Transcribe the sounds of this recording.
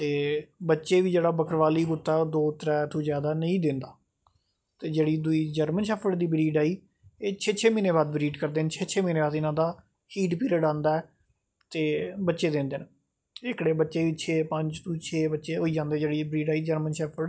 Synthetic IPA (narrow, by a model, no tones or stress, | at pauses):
t̪eːbətːʃeːʋiːd͡ʒeːɽaːbəkəɾʋaːliːɡʊt̪ːaːd̪oːt̪əɾɛːt̪ʰõːzjaːd̪aːnəĩːd̪ɪ̃ːnd̪aː | t̪eːd͡ʒeːɽiːd̪ʊiːd͡ʒəɾmənʃɛːpʰəɽd̪iːbɾiːɖaːiː | eːt͡ʃʰeːt͡ʃʰeːmiːneːbaːd̪bɾiːʈkəɾd̪eːnt͡ʃʰeːt͡ʃʰeːmiːneːbaːd̪ɪnãːd̪aː | hiːʈpiːɾəɖãːnd̪aːɛː | t̪eːbətːʃeːd̪ẽːnd̪eːn | ɪkɽeːbətːʃeːʋiːt͡ʃʰeːpəɲt͡ʃt̪ʰũːt͡ʃʰeːbətːʃeːɦoːiːd͡ʒãːnd̪eːd͡ʒeːɽiːbɾiːɖaːiːd͡ʒəɾmənʃɛːpʰəɽ